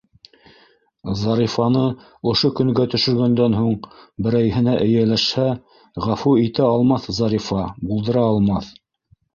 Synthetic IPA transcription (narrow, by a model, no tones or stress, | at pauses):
zɑɾifɑnɤ | ŏʃokɵ̆ŋɡæt̪ɵ̆ʃɵ̆ɾɡænd̪ænɦuɴbɘ̆ɾæjɦɘ̆næʔɘ̆jælæʃhæ | ʁæfuit̪æɑlˠmɑθzɑɾifɑbulˠd̪ɤ̆ɾɑːlˠmɑθ